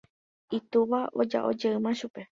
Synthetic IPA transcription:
it̪uʋao̞d͡ʒa̰ʔo̞d͡ʒeɨmãʃupe̞

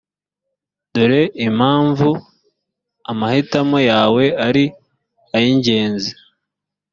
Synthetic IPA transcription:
duɾe̞ʔim̥haːɱvu | amahitamojaːwe̞aɾi | ajiɲɟe̞ːnzi̥

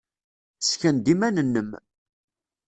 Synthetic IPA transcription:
sçənd̪imænənːəm

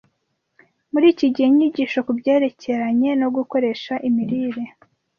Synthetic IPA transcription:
muɾiːciɟiheɲiɟiːʃo̞kubɟe̞ːɾe̞cʰe̞ɾaɲe̞no̞ɡuko̞ɾe̞ʃaʔimiɾiːɾe̞

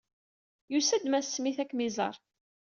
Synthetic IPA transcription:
jusæd̪mæssːmiθækːmizˤɑ̰ɾˤ

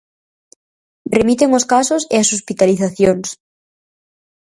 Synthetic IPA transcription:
remit̪eŋoskasʊseasospit̪aliθaθjoŋs

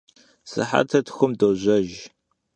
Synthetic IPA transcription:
sɨ̰ħa̰tʰɐtxʷʊmdowʑʷɐʒ

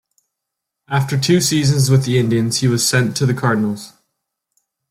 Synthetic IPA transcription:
ʔaftə˞tʰʉːsiːzə̃nzwɪðiɪ̃ndiə̃nz̥hiwɒz̥sɛ̃ntʰəðəkʰɑɹdⁿn̩əl̩ˠz̥

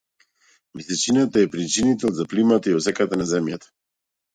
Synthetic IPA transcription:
visɛt͡ʃinat̪aɛpɾit͡ʃinit̪ɛlˠzaplimat̪aiɔsɛkat̪anazɛmjat̪ḁ

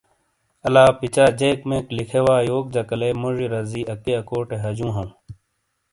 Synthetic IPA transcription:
ɐlaːpit͡ɕaːd͡ʑeːkmẽːklikʰewaːjoːk̚d͡ʒɐkɐleːmoʐiɾɐziːɐkːeɐkoːʈeɦɐd͡ʑũːɦɐ̃ː

